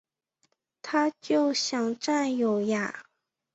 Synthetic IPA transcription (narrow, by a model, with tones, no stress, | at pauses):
t̪ʰa˥t͡ɕjo˥˩ʊɕjɑ˨˩ŋʈ͡ʂa˥˩njo˨˩ʊja˨˩